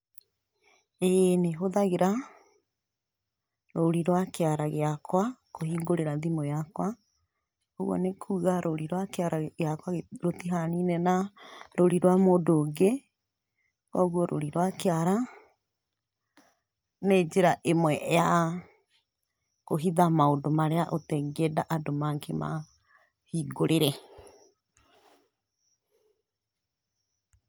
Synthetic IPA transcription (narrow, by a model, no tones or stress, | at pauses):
eneɦoðaɣeɾa | ɾoɾiɾwakeaɾaɣeakwakohiːŋɡoɾeɾaðimojakwa | oɣwɔ̰nekʰuːɣaɾʔoɾiɾwakeaɾaɣeakwaɣɾotiɦaninɛnaɾoɾiɾwamodoɡe | kɔɣwɔɾʔo̰ɾiɾwakeaɾa | ned͡ʒeɾaʔemwɛʔja | koɦiðamaodomaɾeaʔotɛɡɛdaʔadomakʰema̰ | hiːɡoɾeɾɛ